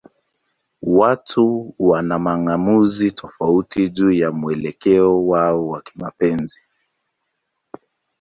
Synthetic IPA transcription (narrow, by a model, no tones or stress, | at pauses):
watʰuwanamaŋamuzitʰɔfautiʄujamuɛlɛkɛɔwaɔwaki̥mapɛnzi